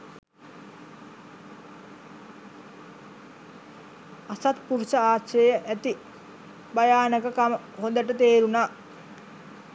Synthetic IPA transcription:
asat̪puʋisəaːʃəjəʔæt̪i | bajaːnəkəkamə | ɦond̪əʈət̪eːɾunaː

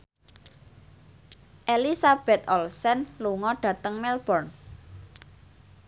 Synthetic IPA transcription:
ʔelisab̥ɛ̤t̪ɔlsɛnluŋɔɖ̥ä̤t̪əŋmɛlb̥ɔrn

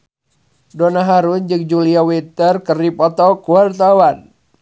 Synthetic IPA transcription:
donaɦaɾund͡ʒɨk̚d͡ʒuliawit̪ərkərdipɔt̪ɔkuart̪awan

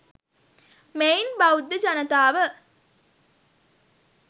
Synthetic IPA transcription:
meinbaud̪ːəd͡ʒanət̪aːʋə

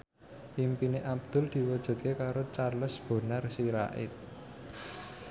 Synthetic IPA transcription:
pimpineʔab̚d̪̥ʊ̤ld̪̥i̤wɔd̥ʒ̥ṳt̪̚kekaɾot͡ʃarləsb̥o̤narsiɾa̰ʔɪ̰t̪̚

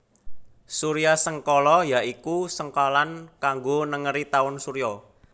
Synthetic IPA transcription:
suɾiasəŋkɔlɔjaikusəŋkalankaŋɡonəŋəɾit̪aʊnsuɾiɔ

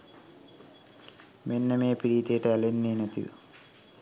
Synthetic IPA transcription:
menːɐmeːpiɾiːt̪eːʈeɐlenːeːnɐt̪ḭ

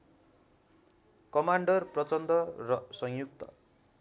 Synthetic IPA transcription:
kʌmaɳɖʌrprʌt͡sʌnd̪ʌrʌsʌŋjuk̚t̪ʌ̰

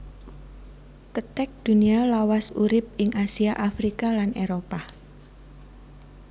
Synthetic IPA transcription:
kət̪ɛk̚d̪̥ṳnialawasuɾɪp̚ɪŋasiaʔafɾikalanʔeɾopa

